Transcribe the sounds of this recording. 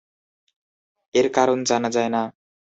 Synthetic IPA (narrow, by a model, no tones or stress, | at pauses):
eɾkaɾond͡zanad͡zajna